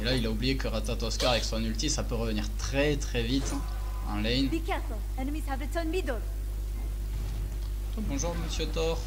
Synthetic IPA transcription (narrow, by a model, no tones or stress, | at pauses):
elailaublijekəʁat̪at̪ɔskaʁaɛksɔ̃nylt̪isapøʁəvəniʁt̪χɛt̪χɛvit̪ | ɑ̰̃lɛjnbikatlə | ɛnəmiz̥havətɔnmid̪ɔl | ɔbɔ̃ʒuʁməsjøt̪ɔʁ